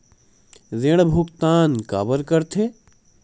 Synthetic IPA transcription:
zeɽ̃bʱʊkt̪aːnka̰ːbəɾkəɾt̪ʰe

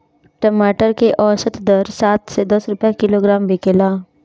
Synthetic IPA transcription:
ʈəmaːʈəɾkeʔɔːsət̪d̪əɾsaːt̪sed̪əsɾʊpjakɪloɡɾaːmbʱikeːlaː

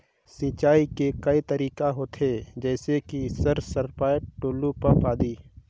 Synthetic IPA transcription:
sĩːt͡ʃaːikekɐit̪ɐɾiːkaɦoːt̪ʰɦed͡ʒɛːsekisəɾsəɾpaːjəʈoːlupɐɾpaːd̪iː

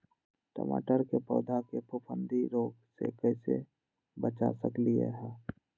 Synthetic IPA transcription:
ʈə̰ma̰ːʈəɾkepɔːd̪ʱakepʰʊpʰə̃nd̪ʱiɾoːɡsḛkɛɪse | bət͡ʃa̰səkliḛɦɛ̃ː

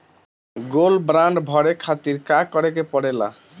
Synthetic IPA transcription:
ɡolbɾaɳɖbʱɔɽekʰat̪iɾkakɔɽekepɔɽela̰

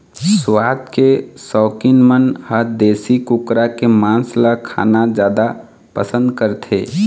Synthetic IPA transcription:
swaːt̪kesɔːkinmənhəd̪eːsikʊkɾakemãːnslakʰa̰ːnad͡ʒjaːd̪a | pəsə̃nd̪kəɾt̪ʰḛː

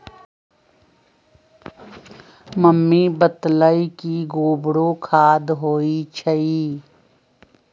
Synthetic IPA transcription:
məmːibət̪ləikiɡoːbɽokʰaːd̪ɦoːit͡ʃʰəiː

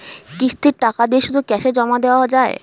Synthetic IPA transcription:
kɾiʃt̪ʰiɾʈakad̪ieʃud̪ʱukɛʃed͡ʑɔmad̪eoad͡ʑae

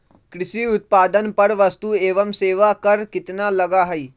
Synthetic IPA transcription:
kɾɪsiːʊt̪̚paːd̪ənpəɾʋəst̪uːeːʋəmseːʋaːkəɾkɪt̪naːləɡaːɦəiː

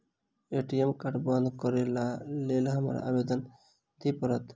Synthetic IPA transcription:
eʈiemkaʈband̪kɔɾelalelɦama̰ɾa̰bed̪ɔn | d̪ipɔɾɔt̪

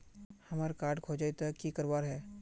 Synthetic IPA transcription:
hɐmaːɾkaːɾɖkʰoːd͡ʒait̪akikɐɾʋaːɾɦɛː

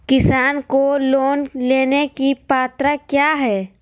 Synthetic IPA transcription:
kɪsaːnkoloːnleːnekipaːt̪ɾakjaːɦɛː

